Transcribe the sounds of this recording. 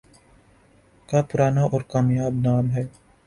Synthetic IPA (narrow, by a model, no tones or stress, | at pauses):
kapʊɾaːnaʔɔːɾkaːmjaːbnaːmɦɛː